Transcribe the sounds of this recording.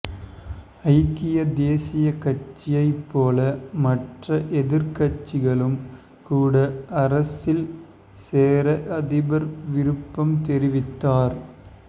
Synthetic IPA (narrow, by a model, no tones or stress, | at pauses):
ɐɪkːɪjɐd̪eːsɪjɐkɐt͡ʃːɪjɐɪpːoːlɐmɐʈrɐʔɛðɪɾkɐt͡ʃːɪɣɐɭɯm | kuːɽɐɐɾɐsɪl | seːɾɐʔɐðɪbɐɾʋɪɾɯpːɐmt̪ɛɾɪʋɪt̪ːaːɾ